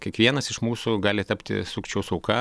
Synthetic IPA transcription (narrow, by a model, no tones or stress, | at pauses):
kʲiɛkʋʲiɛnɐsɪʃmuːsʊɡɑːlʲɪt̪ɐpʲt̪ʲɪ̰suːkʲt͡ʃʲɛʊsɔʊkɑː